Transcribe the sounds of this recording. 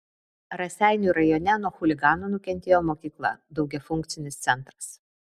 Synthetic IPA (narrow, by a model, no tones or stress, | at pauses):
ɾɐsʲæˑɪnʲuːˑɾɐjoːnʲɛnuɔxʊlʲɪɡɑːnoːnʊkʲɛnʲt̪ʲeːjɔmoːkʲiːklˠɐ̰d̪ɒʊɡʲɛfʊŋʲkt̪sʲɪnʲɪst̪sʲɛnˑt̪ɾɐs